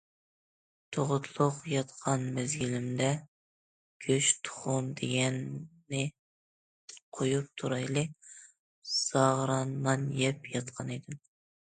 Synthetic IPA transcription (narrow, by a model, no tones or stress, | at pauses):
t̪ʰoʁʊt̪ʰlˠʊqjɑt̪qʰɑnmɛzɡʲilɪmd̪ɛ | kʲʰøʃt̪ʰʊ̥χʊnd̪eɡʲɛnː | ɪ | qʰojup̚t̪ʰuɾɑjlˠɨ | sɑʁɾɑnmɑnjɛpjɑt̪̚qʰɑned̪ɪm